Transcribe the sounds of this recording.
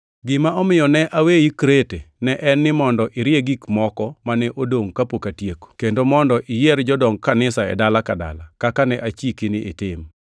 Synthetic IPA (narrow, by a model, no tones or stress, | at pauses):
ɡɪmaɔmɪjɔnɛʔawejikɾetenɛʔɛnːɪmɔndɔʔɪɾɪjeɡikmɔkɔmanɛʔodoŋkapokatjeko̥kendomɔndɔʔɪjɛɾd͡ʒɔdɔŋkanɪsaɛ̰dalakada̰lakakanɛʔat͡ʃikinɪʔɪtɪm